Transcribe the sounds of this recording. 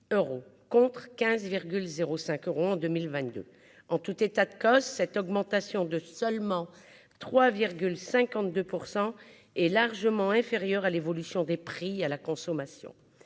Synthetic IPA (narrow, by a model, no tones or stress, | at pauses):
øʁokɔ̃t̪χkʲɛ̃zviʁɡʲylzeʁosɛ̃køʁoɑ̃d̪ømilvɛ̃t̪̚d̪ø̰ | ɑ̃t̪ut̪et̪ad̪əkɔsːɛt̪ɔɡmɑ̃t̪asjɔ̃d̪əsœlmɑ̃ | t̪χwaviʁɡʲylsɛ̃kɑ̃t̪̚d̪øpuʁsɑ̃ | ɛlaʁʒəmɑ̃ɛ̃feʁjœʁalevɔlysjɔ̃d̪epχialakɔ̃sɔmasjɔ̰̃